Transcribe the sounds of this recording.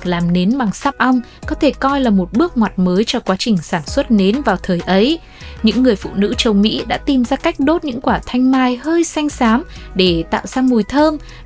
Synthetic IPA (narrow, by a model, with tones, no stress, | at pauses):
laː˨˩mne˨˦nɓa˨˩ŋsaː˦˥p̚ʔa˧wŋ͡m | kɔ˨˦t̪ʰe˧˩kɔ˧jlaː˨˩mo˨˩t̚ɓɨ˦˥ək̚ŋwaː˨˩t̚məː˨˦jt͡ɕɔ˧kwaː˨˦t͡ɕï˨˩ŋ̟saː˧˩nswə˦˥t̚ne˨˦nvaː˨˩wt̪ʰəː˨˩jʔə˨˦j | ɲɨ̰˧˥ŋːɨ˨˩əjfṵ˧˨nɨ̰˧˥t͡ɕə˨˩wmḭ˧˥ɗa̰ː˧˥t̪i˨˩mzaː˧ka˦˥jk̟̚ɗo˦˥t̚ɲɨ̰˧˥ŋkwaː˧˩t̪ʰa˧jŋ̟maː˧jhəː˧jsa˧jŋ̟saː˨˦mɗe˧˩t̪a̰ː˧˨wzaː˧mu˨˩jt̪ʰəː˧m